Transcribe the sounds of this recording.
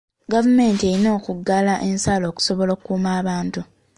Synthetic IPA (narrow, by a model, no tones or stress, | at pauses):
ɡavume̞ːntie̞ɾino̞ːkuɡalaʔe̞nsaːlo̞ːku̥so̞βo̞lokukːuːmaːβaːntu